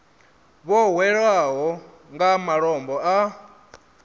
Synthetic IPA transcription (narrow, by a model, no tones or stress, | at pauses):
βɔwɛɺwaɦɔ | ŋɡamaɺɔmbɔa